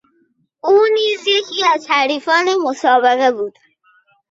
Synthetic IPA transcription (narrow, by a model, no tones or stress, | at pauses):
ʔuːniːzjecʰiːæzt̪ʰæɾiːfɒːnemosɒːbeɣebuːd̪̥